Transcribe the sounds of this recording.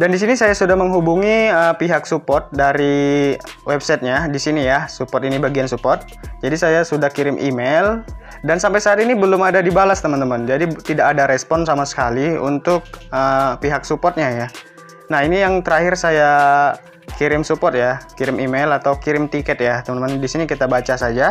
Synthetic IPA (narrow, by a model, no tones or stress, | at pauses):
dandis̬inisajasudahməŋɦubuŋiəpiɦak̚supɔrt̪̚daɾi | wɛbsajt̪̚ɲadisinijasupɔrt̪inibaɡiansupɔrt̪̚d͡ʒadisajasudahkiɾɪmʔḭmel | dansampajsaːt̪inibəlʊmadadibalast̪əmənt̪əmənd͡ʒadit̪idakadaɾɛspɔnsamasə̥kaliṵnt̪ʊk̚əpiɦak̚supɔrt̪̚ɲaja | nahinijaŋt̪əɾahɪrsaja | kiɾɪmsupɔrt̪̚jakiɾɪmimelat̪awkiɾɪmt̪ikɛt̪̚jat̪əmənəməndisinikit̪abat͡ʃasad͡ʒa